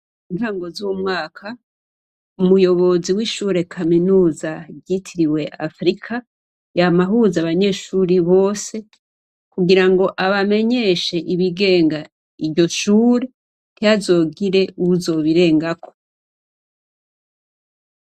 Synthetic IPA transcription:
inaːŋɡo̞zuwumŋaːkʰa | umujo̞βo̞ziwiʃuːɾe̞kʰaminuːzaɾɟitʰiɾiwe̞ʔafɾikʰa | jamaɦuzaβaɲe̞ːʃuːɾiβo̞ːse̞ | kuɡiɾaŋɡo̞ʔaβame̞ɲe̞ʃe̞ʔiβiɡe̞ːŋɡa | iɾɟo̞ʃuːɾe̞ | n̥ijazo̞ːɡiɾe̞uzo̞ːβiɾe̞ːŋɡakʰo̞

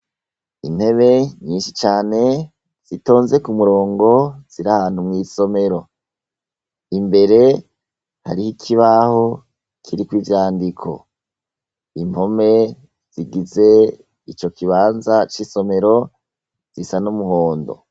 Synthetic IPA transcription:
in̥he̞βe̞ɲiːnʃit͡ʃaːne̞ | z̥ito̞ːnze̞kumuɾo̞ːŋɡo̞z̥iɾahaːn̥humŋiːso̞me̞ɾo̞ | imbe̞ɾe̞ | ha̰ɾihikʰiβaho̞ | kʰiɾikwivjaːndikʰo̞̰ | imho̞me̞ | z̥iɡize̞ | it͡ʃo̞kiβaːnzat͡ʃiso̞me̞ɾo̞ | z̥isanumuɦo̞ːndo̞̰

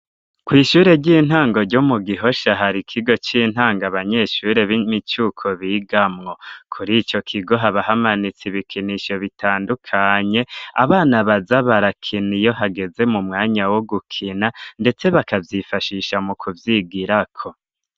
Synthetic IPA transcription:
kwiːʃuːɾe̞ɾɟiːn̥haːŋɡo̞ɾɟumuɡiɦo̞ʃaɦaɾikʰiɡo̞t͡ʃiːn̥haːŋɡaβaɲe̞ʃuːɾe̞βimit͡ʃukʰo̞βiːɡamŋo̞kʰuɾit͡ʃo̞kʰiɡo̞ɦaβaɦamanit͡siβikʰiniʃo̞βitʰaːndukʰaɲe̞a̰βaːnaβazaβaɾakʰinijo̞ɦaɡe̞ze̞mumŋaːɲawoɡukʰinande̞t͡se̞βakavjifaʃiʃamukʰuvjiɡiɾakʰo̞

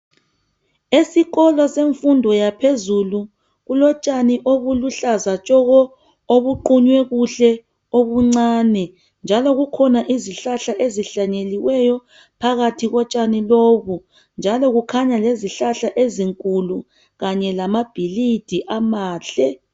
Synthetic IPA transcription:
esiɣɔlɔseɱfundʱɔjapʰezulu | ɣulɔt͡ʃʼaniʔoβuluɬazat͡ʃʼɔɣɔ | oβuǃuɲwɛɣuɬɛ | oβuŋ͡ǀaːnɛ | nd͡ʒʱalɔɣukʰɔnaʔiziɬaɬaʔeziɬaɲeliwɛjɔ | pʰaɣatʰiɣɔt͡ʃʼaniloːβu | nd͡ʒʱalɔɣukʰaɲaleziɬaɬaʔeziŋkʼulu | ɣaɲɛlamab̥ʱilid̥ʱiʔamaːɬɛ

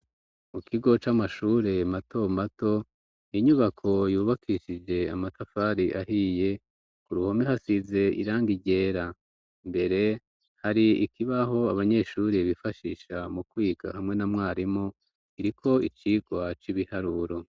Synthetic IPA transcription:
mukʰiɡo̞t͡ʃamaʃuːɾe̞mato̞mato̞ | iɲuβakʰo̞juːβakʰiʃid͡ʒe̞a̰matafaɾiʔaɦije̞ | kuɾuhomihasize̞ḭɾaːŋɡiɟe̞ːɾa | mbe̞ɾe̞ | haɾiikiβaɦo̞aβaɲe̞ːʃuːɾeβifaʃiʃamukwiːɡa̰hamŋe̞namŋaːɾimo | iɾikʰo̞it͡ʃiɡwat͡ʃiβihaɾuɾo

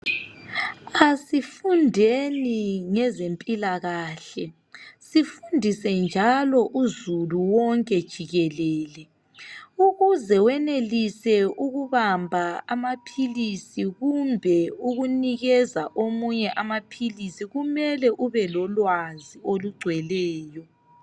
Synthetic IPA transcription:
asifundʱeniŋɛzempʼilaɣaːɬɛ | sifundʱisɛnd͡ʒʱalɔʔuzuluwɔŋkʼɛd̥ʒ̥ʱiɣɛlɛːlɛ | uɣuzɛwɛnelisɛuɣuβambʱaamapʰilisiɣumbʱɛuɣuniɣɛzaʔomuɲɛʔamapʰilisiɣumɛlɛʔuβɛlɔlwazioluɡ͡ǀʱwɛlɛːjɔ

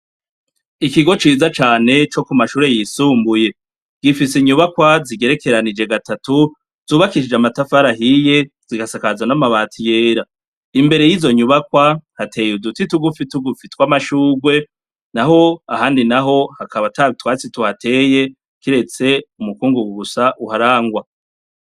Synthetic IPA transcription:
ikiɡo̞t͡ʃiːzat͡ʃaːne̞t͡ʃo̞kumaʃuːɾe̞jisuːmbuje̞ | ɡ̥ifiseɲuβakwaziɡe̞ɾe̞ke̞ɾanid͡ʒe̞ɡatatu | z̥uːβakiʃid͡ʒamatafaɾaɦije̞ | ziɡasakazwanamaβaːtʰije̞ːɾa | imbe̞ɾe̞jiːzo̞ɲuβakwahatʰe̞judutituɡufituɡufitwamaʃuːɡwe̞ | naɦho̞ahaːndinaɦo̞hakʰaβatʰatwaːt͡situhatʰe̞je̞ | kiɾe̞t͡se̞umukuːŋɡuɡuɡusaʔuhaɾaːŋɡwa

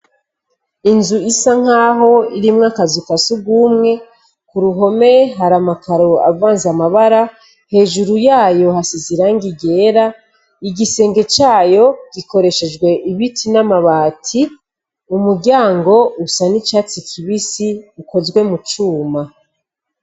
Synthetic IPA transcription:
inzuisaŋ̥aːɦo̞iɾimŋakazufasubɡuːmŋe̞ | kuɾuɦo̞me̞ɦaɾamakʰaɾoa̰vaːnzamaβaɾa | he̞ːʒuɾujaːjo̞hasiziɾaŋɡiɡe̞ːɾa | iɡise̞ːŋɡe̞t͡ʃaːjo̞ɡ̥ikʰo̞ɾe̞ʃe̞d͡ʒɡwe̞ʔiβitʰinamaβaːtʰi | umuɾɟaːŋɡo̞usanit͡ʃat͡sikʰiβisiuko̞zɡwe̞mut͡ʃuːma

